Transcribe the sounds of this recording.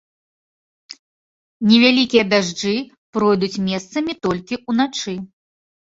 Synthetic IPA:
nʲɛvʲalʲikʲijɐd̪aʐd͡ʐɨ | pɾɔjd̪ut͡sʲmʲɛst̪sɐmʲit̪ɔlʲkʲiunat͡ʂɨ

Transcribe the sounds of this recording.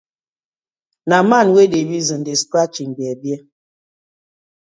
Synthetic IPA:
namanwedebizɨndeskat͡ʃiŋbɛbjɛ

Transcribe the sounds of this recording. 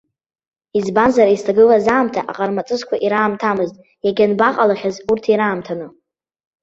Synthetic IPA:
izbanzaɾaistʰaɡɨlazaːmtʰaʔa̰qʼarmat͡sʼɨzkʷʰaʔiɾaːmtʰamɨztʼ | jaɡʲanbaqʼalaχʲazurtʰiɾaːmtʰanɨ

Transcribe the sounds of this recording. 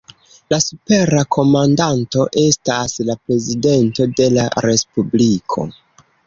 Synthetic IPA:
lasupe̞ɾakʰo̞mandanto̞ʔe̞staslapɾe̞zide̞nto̞de̞laɾe̞spublikʰo̞̰

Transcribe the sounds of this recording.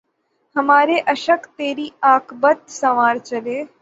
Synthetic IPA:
həmaːɾeʔəʃəkt̪eːɾiːaːkʰbət̪sɐʋaːɾt͡ʃəleː

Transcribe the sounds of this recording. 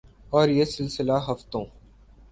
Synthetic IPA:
ɔːɾjesɪlsɪlaɦɐft̪õː

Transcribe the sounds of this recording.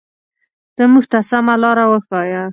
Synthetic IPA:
d̪̥əmuɡt̪asamalɑɾawəxɑja

